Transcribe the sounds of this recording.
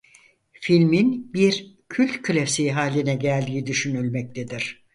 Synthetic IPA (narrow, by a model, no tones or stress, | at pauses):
filʲminbiɾ | cʰylʲt̪kʰɯlʲefsiɦaːlʲinɛɟælʲd̪iːid̪yʃynylʲmɛc̚t̪ʰed̪iɾ̝̥